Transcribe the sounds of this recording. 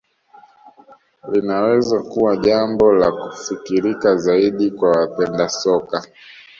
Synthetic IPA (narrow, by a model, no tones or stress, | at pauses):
linawɛzakuwaʄambɔlakufikiɾikazaiɗikwawapɛndasɔka